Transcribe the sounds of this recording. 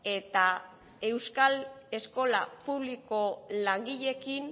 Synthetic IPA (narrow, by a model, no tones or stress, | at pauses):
e̞t̪a | e̞wskale̞sko̞lapuβ̞liko̞laŋɡiʎe̞kin